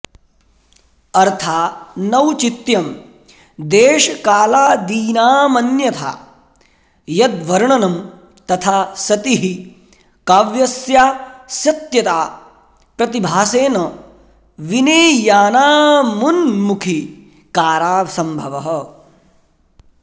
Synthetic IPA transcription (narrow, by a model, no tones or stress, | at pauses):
ɐɾt̪ʰaːnɐwt͡ʃit̪jɐm | d̪eːʃɐkaːlaːd̪iːnaːmɐnjɐt̪ʰa̰ː | jɐd̪ʋɐɾɳɐnɐm | t̪ɐt̪ʰaːsɐt̪iɦi | kaːʋjɐsjaːsjɐt̪jɐt̪aː | pɾɐt̪ibʱaːseːnɐ | ʋineːjaːnaːmunmukʰi | kaːɾaːsɐmbʱɐʋɐɦɐ̆